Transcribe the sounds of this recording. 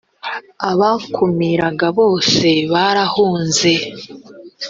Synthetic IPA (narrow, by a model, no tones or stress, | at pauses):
aβakʰumiɾaɡaβo̞ːse̞βaɾahuːnze̞